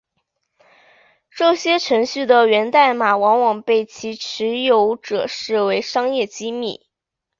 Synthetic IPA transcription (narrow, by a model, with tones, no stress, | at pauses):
ʈ͡ʂɤ˥˩ɕjɛ˥ʈ͡ʂʰɤ˧˥ŋɕy˥˩d̪ə˩ɥɛ˧˥nt̪a˥˩ɪma˨˩wɑ˧˥ŋwɑ˨˩ŋpe˥˩ɪt͡ɕʰi˧˥ʈ͡ʂʰɻ̩˧˥jo˧˥ʊʈ͡ʂɤ̰˨˩ʂɻ̩˥˩we˧˥ɪʂɑ˥ŋjɛ˥˩t͡ɕi˥mḭ˥˩